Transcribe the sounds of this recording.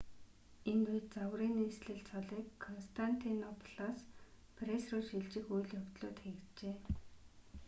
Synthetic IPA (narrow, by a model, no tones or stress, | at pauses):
enujt̪̚t͡sawriːniːsɮɘ̆ɮt͡sʰɔɮiːkʰːɔnst̪ʰan̥t̪ʰinɔpʰɮ̥aːs | pʰresrʊːʃiɮt͡ɕɪ̆xujɮjɔwt̪ɮʊːt̪xeɣɘ̆t͡ɕeː